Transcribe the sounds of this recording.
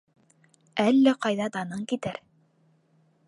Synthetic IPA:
ælːæqɑjðɑd̪ɑnɤŋkit̪æɾ

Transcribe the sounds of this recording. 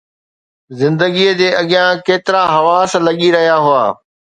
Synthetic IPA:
zɪ̃nd̪əɠijəd͡ʑeːʔɐɠɪjãkeːt̪ɪɾaɦɐʋaːslɐɠiɾɐɦijaɦʊaː

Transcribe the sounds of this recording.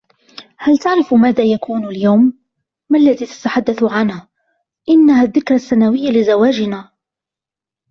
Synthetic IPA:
halt̪aʕɾɪfmaːðaːjakuːnaljawmː | alːaðiːt̪ḁt̪aħad̪ːaθʕanhaː | ʔɪnːahaːðːɪkɾˤasːanawɪjːalɪzawaːd͡ʒɪnaː

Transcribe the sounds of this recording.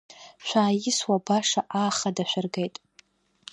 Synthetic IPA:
ʃʷaːjɪswabaʂaʔaːχadaʃʷᶣʊrɡejtʼ

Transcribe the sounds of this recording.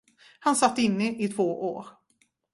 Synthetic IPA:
hansat̪ːɪnːəʔɪt̪ʰvoːʔo̰ːɾ

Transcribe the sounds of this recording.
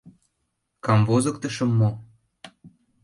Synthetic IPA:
kɑmvozə̆k̚t̪ə̆ʃə̆mːo

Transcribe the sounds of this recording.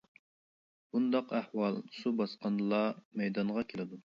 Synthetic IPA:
bund̪ɑqæhwɑlˠsubɑsqɑnlˠɑmɛjd̪ɑɴʁɑkʲʰelɪd̪u

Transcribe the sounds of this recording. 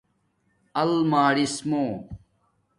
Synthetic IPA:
ɐlmaːɾismõː

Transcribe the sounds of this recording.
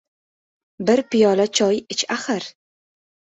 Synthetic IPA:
bɪɾpɪjɒlat͡ʃʰɒjɪt͡ʃʰaχɨɾ

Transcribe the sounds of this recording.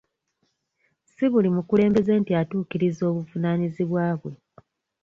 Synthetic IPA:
siβulimukule̞ːmbe̞ze̞ːntiatuːkiɾizo̞ːβuvunaniziβwaːβwe̞

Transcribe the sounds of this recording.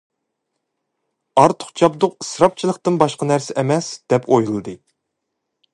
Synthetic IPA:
ɑɾt̪ʰʊ̥χt͡ʃʰɑp̚d̪ʊqɨ̥sɾɑp̚t͡ʃʰilˠəqt̪ɨnbɑʃqɑnæɾsɪʔɛmɛsd̪̥ɛpʰojlˠɨd̪ɨ

